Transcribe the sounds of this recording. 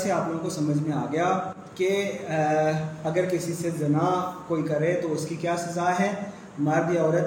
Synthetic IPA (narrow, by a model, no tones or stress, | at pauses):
seaːploːɡõkosɐməd͡ʒʱmẽaːɡɐja | ke | ɐɡəɾkɪsisezɐnakoːikɐɾet̪oʊskikjaːsɐzaːɦɛ̃ | maːɾb̪ʱiɔːɾət̪